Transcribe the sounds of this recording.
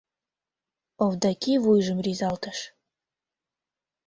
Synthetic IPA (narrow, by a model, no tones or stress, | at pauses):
ovd̪ɑkivujʒə̆mrizɑlt̪əʃ